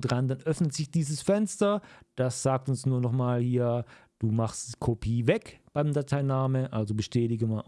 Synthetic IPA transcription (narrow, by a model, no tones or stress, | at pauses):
d̥ʁandanʔœfnətz̥ɪçd̥iːzəsfɛnstɐd̥asz̥aːk̚tʊnsnuːɐnɔχmaːlhiːɐd̥uːmaχstikʰopʰiːvɛkb̥aɪmdatʰaɪnaːməʔa̰lzobəʃtʰɛːtɪɡəmiɐ